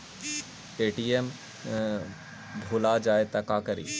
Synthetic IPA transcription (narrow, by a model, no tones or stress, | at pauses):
eːʈiem | bʱoːlad͡ʒaːet̪ɐkakəɾḭː